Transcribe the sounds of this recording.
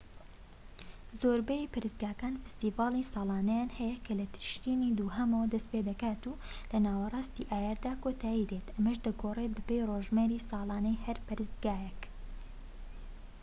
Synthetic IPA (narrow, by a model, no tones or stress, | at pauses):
zoːɾbɛjipɨɾɨzɡaːkaːnfɨ̥st̪iːvɑːlˠisɑːlˠɑːnɐjaːnhɛjɛkʰɐlɐt̪ʰɪ̥ʃt̪iːnid̪uːhɐmowd̪ɐspeːd̪ɐkaːt̪ulɐnaːwɐrˤɑːst̪iʔaːjɛɾd̪aːkoːt̪ʰaːjid̪et̪ɐmɐʃd̪ɐɡoːret̪̚bɨpejroʒmeɾiːsɑːlˠɑːnɐjhɐɾpɨɾɨzɡaːjɛk